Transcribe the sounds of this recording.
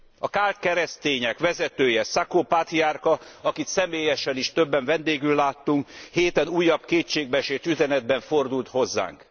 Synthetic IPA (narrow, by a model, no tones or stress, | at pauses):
ɒkaːlt̪kɛɾɛst̪eːɲɛkʋɛzɛt̪øːjɛsakoːpat̪iarkɒɒkit̪sɛmeːjɛʃɛniʃt̪ø̞bːɛɱvɛnd̪eːɡylːaːt̪ːuŋkheːt̪ɛnuːjːɒbkeːt͡ʃeːɡ̚bɛʃeːt̪yzɛnɛd̪̚bɛɱfo̞rd̪ult̪ho̞zːa̰ːŋk